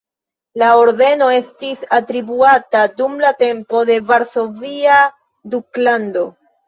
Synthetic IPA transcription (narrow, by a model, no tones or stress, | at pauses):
laoɾde̞no̞e̞stisatɾibuatadumlate̞mpo̞de̞vaɾso̞via | duklando̞